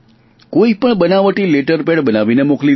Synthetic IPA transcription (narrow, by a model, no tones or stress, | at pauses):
koipəɳbənaʋəʈileʈəɾpeɽbənaʋinemokli